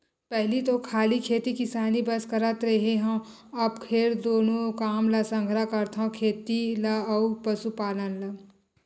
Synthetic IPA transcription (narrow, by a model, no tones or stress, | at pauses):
pɛɦlit̪okʰaːlikʰeːt̪ikɪsaːnibɐskəɾət̪ɾɐɦeɦãː | ɐbkʰeːɾd̪oːnõkaːmlasə̃ŋɡʱɾakəɾt̪ʰɦãkʰeːt̪ilaupəsupaːlənla